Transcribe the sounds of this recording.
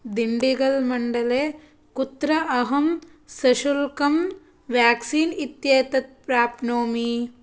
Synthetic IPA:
d̪iɳɖiɡɐlmɐɳɖɐleː | kut̪ɾɐʔɐɦɐmsɐʃulkɐm | ʋjaːksiːnit̪jeːt̪ɐt̪̚pɾaːpnoːmi

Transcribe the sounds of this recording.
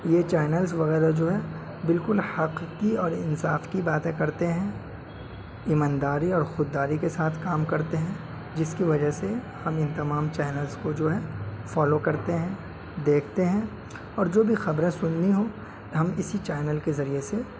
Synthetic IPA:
jet͡ʃaːnəlzʋɐɣɛːɾad͡ʒoːɦɛ | bɪlkʊlhɐqkiɔːɾɪnsaːfkibaːt̪ẽkɐɾt̪eɦɛ̃ | ɪmãːnd̪aːɾiɔːɾxʊd̪ːaːɾikesaːt̪ʰkaːmkɐɾt̪eɦɛ̃ | d͡ʒɪskiʋɐd͡ʒəɦse | hɐmɪnt̪ɐmaːmt͡ʃaːnəlzkod͡ʒoːɦɛfɔːlokɐɾt̪eɦɛ̃ | d̪eːkʰt̪eɦɛ̃ | ɔːɾd͡ʒoːbʱixɐbɾẽsʊnːiɦo | ɦɐmɪsit͡ʃaːɪnəlkezɐɾiese

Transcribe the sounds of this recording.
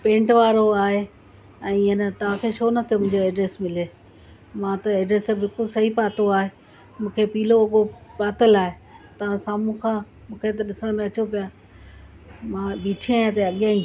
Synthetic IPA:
pẽːɳʈʋaːɾoaːɦe | ɛ̃ːɪənt̪ɐʋ̤ãkʰeːʃoːnɐt̪ʰijomʊ̃ɦɪ̃d͡ʑoeːɖɾeːsmɪleː | mãt̪ɐeːɖɾeːst̪ebɪlkʊlsɐɦipaːt̪oaːɦe | mũːkʰepiːloɐɠopaːt̪əlaːɦe | t̪ɐʋ̤ãsaːmũkʰãː | mũːkʰet̪̬ɐɗɪsəɽ̃mẽɐt͡ɕopijaː | mãːɓiːʈʰijaːjãt̪eɐɠijãːĩ

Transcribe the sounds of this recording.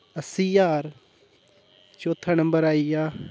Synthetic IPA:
əsiːjaːɾ | t͡ʃoːt̪ʰːaːnəmbəɾaːijaː

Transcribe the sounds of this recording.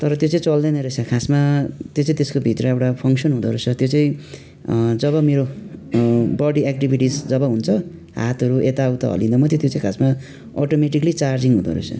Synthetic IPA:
t̪ʌɾʌt̪jot͡sãĩt͡sʌld̪ʌnʌɾesʰakʰasmat̪jot͡sãĩt̪eskobʱit̪ɾʌewʈapʰʌŋksʌnɦũd̪ʌɾosʰʌt̪jot͡sʌĩ | d͡zʌβʌmeɾo | bʌɽiek̚ʈibʱiʈisd͡zʌbʌɦunt͡sʰʌ | ɦa̰t̪ɦʌɾuʔet̪awt̪ʌ̰ɦʌ̰lĩnd̪ʌmʌt̪ʰet̪jot͡sãĩkʰasma | ɔʈomeʈiklit͡sard͡ziŋɦũd̪ʌ̰ɾo̰sʰʌ̰

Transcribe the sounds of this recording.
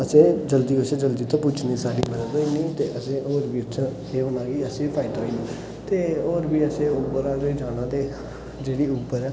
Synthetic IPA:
əsẽːd͡ʒəld̪iːʊt͡ʃʰə̃d͡ʒəld̪iːt̪ãːpʊt͡ʃʰnẽːsaːɖiːməd̪əd̪oːɪnĩːt̪eːʔəsẽːoːɾbiːʊt͡ʃʰə̃ | eːbənãːɡiːəsẽːpʰaːɪd̪oiniː | t̪eːoːɾbiːəsẽːʊːpəɾaːɾoiːd͡ʒaːnãːt̪eː | d͡ʒeːɽiːuːpːəɾɛː

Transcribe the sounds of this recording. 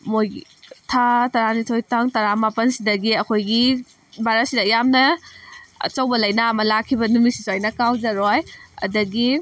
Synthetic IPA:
mojtʰatɐɾanitʰojtaŋtɐɾamapɐnsidɐɡiɐkʰojɡi | baɾɐsidɐjamnɐ | ɐ̰t͡ʃɐwbɐlɐjnaːmɐlakʰːibɐnumisisojnɐkawd͡ʒɐɾojɐ̰dɐɡi

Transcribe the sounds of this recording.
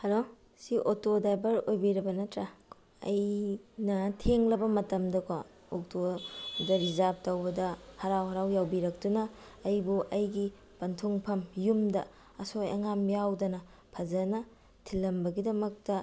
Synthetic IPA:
hɐlo | siʔotodajbɐɾojbiɾɐbɐnɐtɾɐ | ɐ̰jnɐtʰeŋlɐbɐmɐtɐmdɐkʰo | ok̚todɐɾizap̚tɐwbɐdɐhɐɾawɦɐɾawjawbiɾɐk̚tunɐːjbuʔɐjɡi | pɐntʰuŋpʰɐmjumdɐ | ɐsoa̰ŋamjawdɐnɐ | pʰɐzɐnɐ | tʰilːɐmbɐɡidɐmɐk̚tɐ

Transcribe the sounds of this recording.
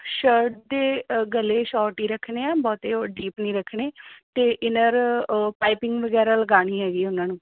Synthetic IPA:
ʃəɾʈ̚d̪eːɡəlːeːʃɔːɾʈiːɾəkʰneːɛ̃ːbɔːt̪eːoɖiːpnĩːɾəkʰɳeːt̪eːʔɪnəɾpaːɪpɪŋɡʋəɡɛːɾaːləɡaːɽ̃iːɦɛːɡiːʊnãːnũː

